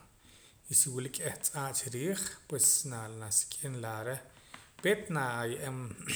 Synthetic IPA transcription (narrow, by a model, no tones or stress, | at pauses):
isiwilikʼeht͡sʼaːʔt͡ʃiɾiːχpwesnanasi̥kʼinlaɾepeːt̪naːjeʔem